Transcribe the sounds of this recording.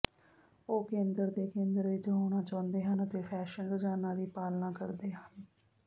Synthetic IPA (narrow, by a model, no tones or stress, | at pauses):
oːkẽːnd̪əɾd̪eːkẽːnd̪əɾʋɪt͡ʃɦoːɽ̃ãːt͡ʃãːnd̪eːɦənət̪eːpʰɛːʃənɾʊd͡ʒaːnãːd̪iːpaːlnãːkəɾd̪eːɦən